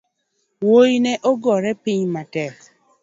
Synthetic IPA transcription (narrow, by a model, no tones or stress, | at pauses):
wojinɛʔoɡɔɾɛpiɲmatɛk